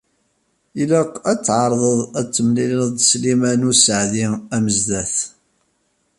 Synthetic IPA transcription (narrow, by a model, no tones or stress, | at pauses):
ilaqæt͡sːʕɑɾˤðˤəðˤæt͡sːəmliləðˤslimænusəʕðiæməzðæθ